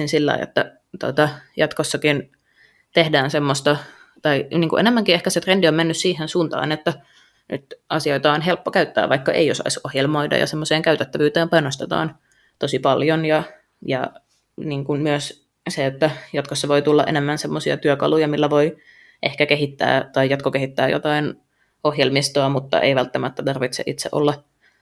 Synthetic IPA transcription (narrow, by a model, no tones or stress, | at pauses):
insilːɑ̰ḭḛt̪ːæ | t̪o̰t̪ɑjɑt̪kosːɑkin | t̪ehdæːnsemːost̪ɑ | t̪ɑiniːŋkṵʔenemːæŋkiehkæset̪rendiommenːyssiːhensuːnt̪ɑ̰ːnet̪ːæ | ny̰t̪ʔɑsioit̪ɑːonɦelpːokæyt̪ːæ̰ːʋʋɑikːɑʔeiosɑ̰isohjelmoidɑ̰jɑ̰semːoseːŋkæyt̪et̪ːæʋyːt̪eːmpɑjnost̪et̪ɑ̰ːn | t̪osipɑljonjɑ | jɑ | niːŋkunmyøs | seet̪ːæjot̪kosːɑʋoit̪ulːɑʔenemːænsemːosiɑ̰t̪yøkɑ̰lujɑmilːæʋoi | ʔehkækeɦit̪ːæ̰ːt̪ɑijjɑt̪kokeɦit̪ːæːjo̰t̪ɑin | ohjelmist̪oɑmut̪ːɑ̰ʔḛiʋælt̪ːæmæt̪ːæt̪ɑrʋit̪sḛʔit̪sḛʔo̰lːɑ